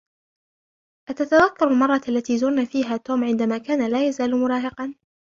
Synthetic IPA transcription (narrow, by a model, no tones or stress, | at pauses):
ʔat̪at̪aðakːɑɾˤalmɑrˤːɑalːat̪iːzʊɾnaːfiːɦaːt̪oːmʕɪnd̪amaːkaːnalaːjazaːlmʊɾˤɑːɦɪqɑn